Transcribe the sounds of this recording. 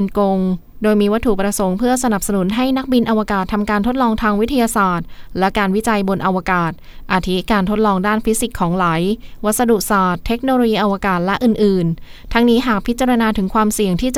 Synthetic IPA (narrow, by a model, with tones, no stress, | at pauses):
nko˧ŋ | doː˧jmiː˧wa˦t̪ʰːu˨˩pɾa˧so˩˦ŋpʰɯ˥˩ɐsa˧na˨˩p̚sa˧nu˩˦nɦa˥˩jna˦˥k̚bi˧nʔa˧wa˧kaː˨˩t̪ʰːa˧mkaː˧nt̪ʰo˦˥t̪̚lɔː˧ŋt̪ʰaː˧ŋwi˦˥t̪ʰa˧jaː˧saː˨˩t̪̚lɛ˦˥kaː˧nwi˦˥t͡ɕa˧jbo˧nʔa˧wa˧kaː˨˩t̪̚ʔaː˧˩t̪ʰi˦˥kaː˧nt̪ʰo˦˥t̪̚lɔː˧ŋdaː˥˩nfi˦˥si˨˩kʰːɔː˩˦ŋla˩˦jwa˦˥t̪̚sa˧du˨˩k̚saː˨˩t̪ʰːe˦˥k̚noː˧loː˧jiː˧ʔa˧wa˧kaː˨˩t̪̚lɛ˦˥ʔɯː˨˩nʔɯː˨˩nt̪ʰa˦˥ŋniː˦˥ɦaː˨˩k̚pʰi˦˥t̪̚t͡ɕa˧ɾa˧naː˧t̪ʰɯ˩˦ŋkʰwaː˧msi˨˩əŋt̪ʰiː˥˩t͡ɕ